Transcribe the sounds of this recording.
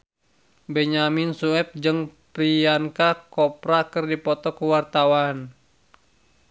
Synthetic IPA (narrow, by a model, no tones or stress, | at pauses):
bɛɲaminsuɛp̚d͡ʒɨŋpɾiankakɔpɾakɨrdipɔt̪ɔkuwart̪awan